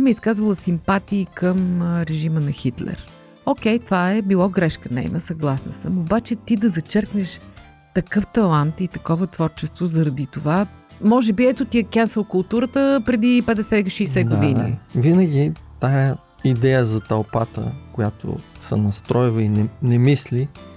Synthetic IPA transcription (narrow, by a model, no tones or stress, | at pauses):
mɛiskazvəlˠəsimpat̪iːkəmɾɛʒimənɐxit̪lɛ̰ɾ | okɛjt̪ovaɛbilˠɔɡɾɛʃkənɛ̰jnəsɐɡlˠasnɐ̰səmobat͡ʃɛt̪id̪ɐzɐt͡ʃɛɾknɛʃ | t̪ɐkɤft̪ɐlˠant̪it̪ɐkɔvət̪vɔɾt͡ʃɛst̪vozɐɾɐd̪it̪ova | mɔʒɛbiɛt̪ot̪iɛkʲɛnsəlˠkʊlˠt̪uɾət̪əpɾɛd̪ipɛd̪ɛsɛʃɛjsɛɡ̪ʊinḭvinəɡʲit̪ajə | id̪ɛjəzɐt̪ɐlˠpat̪ə̰kojat̪o̰ | sɐ̰nɐst̪ɾɔjvˠəinɛnɛmisli